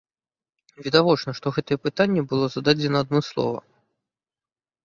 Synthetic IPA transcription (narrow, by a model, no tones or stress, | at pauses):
vʲɛd̪avɔt͡ʂnɐʂt̪ɔɣɛt̪ɐjɛpɨt̪anʲːɛbɨlˠɔzɐd̪ad͡zʲɛnɐɐd̪̚mɨslˠɔ̰vɐ̰